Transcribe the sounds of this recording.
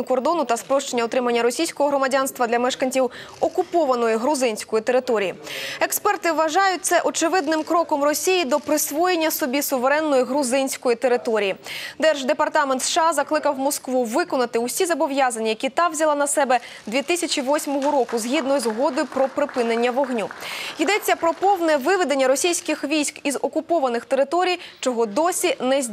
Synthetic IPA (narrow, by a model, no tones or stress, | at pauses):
ʊkɔrd̪ɔnʊt̪ɐspɾɔʃt͡ʃenʲːɐɔt̪ɾɪmɐnʲːɐɾɔsʲijsʲkɔɦɔɦɾɔmɐdʲanst̪ʋɐd̪lʲɐmɛʃkɐnʲt͡sʲiwɔkʊpɔʋɐnɔjiɦɾʊzɪnʲsʲkɔjit̪eɾɪt̪ɔɾʲijiekspɛrt̪ɪʋɐʒɑjʊt̚ʲt̪sɛʔɔt͡ʃɪʋɪd̪̚nɪmkɾɔkɔmrɔsʲijid̪ɔpɾɪsʋɔjenʲːɐsɔbʲisʊʋeɾɛnːɔjiɦɾʊzɪnʲsʲkɔjit̪eɾɪt̪ɔɾʲijid̪ɛrʒd̪epɐrt̪ɑment̪sʃɑzɐklˠɪkɐwmɔskʋuʋɪkɔnɐt̪ɪusʲizɐbɔʋjazɐnʲɐjɐkʲit̪ɑwzʲɐlˠɑnɐsɛbɛ | d̪ʋʲit̪ɪsʲɐt͡ʃʲiʋɔsʲmɔɦɔɾɔkʊzɦʲid̪nɔjʊzɦɔd̪ɔjʊpɾɔpɾɪpɪnenʲːɐʋɔɦnʲuid̪ɛt͡sʲːɐpɾɔpɔwnɛʋɪʋɪd̪enʲːɐɾɔsʲijsʲkɪxʋʲijsʲkizɔkʊpɔʋɐnɪxt̪e̞ɾɪt̪ɔɾʲijt͡ʃɔɦɔd̪ɔsʲinɛzʲ